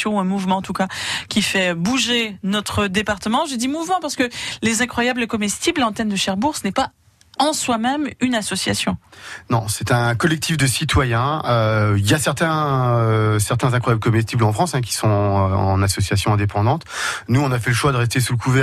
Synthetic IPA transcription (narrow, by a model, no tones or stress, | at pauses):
jɔ̃uɛ̃muvmɑ̃ɑ̃t̪ukakʲifɛbuʒenɔt̪χəd̪epaʁt̪əmɑ̃ʒəd̪imuvmɑ̃paʁsə̥kəlezɛ̃kχwajabləkɔmɛst̪iblɑ̃t̪ɛnd̪əʃɛʁbuʁsənɛpa | ɑ̃swamɛmynasɔsjasjɔ̃nɔ̃sɛt̪ɛ̃kɔlɛk̚t̪ʰifd̪əsit̪wajɛ̃øiljasɛʁt̪ɛ̃øsɛʁt̪ɛ̃zɛ̃kχwajabləkɔmɛs̬t̪iblɑ̃fχɑ̃sɛ̃k̬ʲi̥sɔ̃øɑ̰̃nasɔsjasjɔ̃ɛ̃d̪epɑ̃d̪ɑ̃t̪nuɔ̃nafɛləʃwad̪əʁɛs̬t̪esuləkʰuvɛ